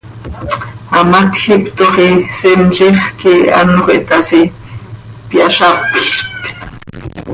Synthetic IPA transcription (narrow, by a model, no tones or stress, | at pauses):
amat̪xɪpt̪oχisent͡ʃeχkea̰noχḛt̪asi | pjaʃapʃt̪